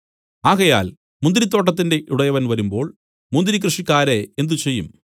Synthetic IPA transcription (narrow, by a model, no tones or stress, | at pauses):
aːɣɐja̰ːl | mund̪ɾit̪ːo̞ːʈːɐt̪̬ːinde̞ʔuɽɐjɐʋɐnʋɐɾumbo̞ːɭ | mund̪ɾik̬rɨʂikːaːɾeend̪ut͡ɕe̞jːṵm